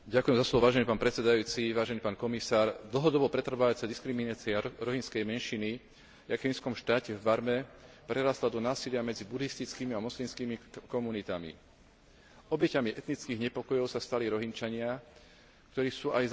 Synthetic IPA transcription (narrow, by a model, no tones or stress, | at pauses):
ɟakuʊjɛmzaslɔʋɔʋaːʒɛniːpaːnpɾɛt͡sɛd̪ajuːt͡siʋaːʒɛniːpaːnkɔmisaːɾd̪l̩ɦɔd̪ɔbɔpɾɛt̪r̩ʋaʋat͡sɛd̪iskɾiminat͡siaɾɔɦinskɛjmɛnʃini | jakinskɔmʃt̪aːcɛvbaɾmɛpɾɛɾaːst̪lad̪ɔnaːsilɪamɛd͡zibud̪ist̪it͡skiːmiamɔslimskiːmikɔmunit̪amḭ | ɔbɛcamiʔɛt̪nit͡skiɣɲɛpɔkɔjɔʊsast̪aliɾɔɦint͡ʃaɲɪa | k̚t̪ɔɾiːsuːʔaj